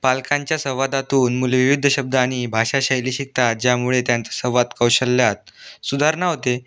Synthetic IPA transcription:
palkaɲt͡ɕjasəʋad̪at̪uːnmuleʋiʋid̪ʱːəɕəb̚d̪ʱaːɽ̃ibʱaɕaɕəjliːɕik̚t̪at̪̚d͡ʑjamuɭet̪jant͡sasəʋat̪kəwɕəlːjat̪̚sud̪ʱaɾɳaɦot̪e

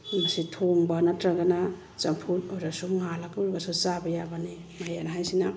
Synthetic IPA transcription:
masitʰoŋbanatɾaɡana | t͡ʃɐmpʰutoɾasuŋalakuɾɡasut͡ʃabɐjabani | majanaɦajsina

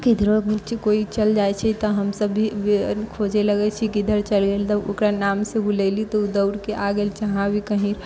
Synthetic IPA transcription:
kid̪ʱɾot͡ʃkoit͡ʃəld͡ʒaɛt͡ʃʰɛt̪ɔɦəmsəbːikʰod͡ʒeləɡɛt͡ʃʰikid̪ʱəɾt͡ʃəlɡelt̪ɔo̰kɾanaːmsebʱulɛlit̪ɔud̪əʊɾkeʔaɡeːlt͡ʃəɦãbʱikəɦiɾ

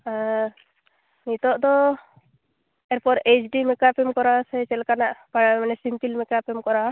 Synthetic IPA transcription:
nit̪ɔʔd̪ɔ | ɛɾpɔɾet͡ʃɖimɛkapɛmkɔɾasɛt͡ʃɛlkanaʔpamanɛsimpilmɛkapɛmkɔɾa

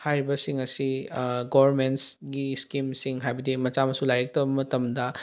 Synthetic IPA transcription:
hajɾibɐsiŋɐsiɡobɐɾmentsɡiskimsiŋɦajbɐdimɐt͡ʃamɐsulajɾek̚tɐbɐmɐtɐmdɐ

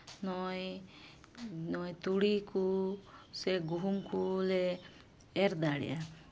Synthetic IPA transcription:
nɔj | nɔjt̪uɽikuseɡuɦumkuleː | ɾd̪aɽḭa

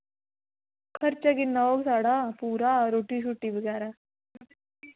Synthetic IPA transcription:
kʰɐɾt͡ʃɐɡinːɐoɡsaɽapuːɾaːɾoʈːiʃ̬uʈːibiɡaːɾɐ

